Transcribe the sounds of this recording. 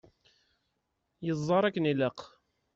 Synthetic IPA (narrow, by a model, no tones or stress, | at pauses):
jəzˤːɑɾˤækːəniləq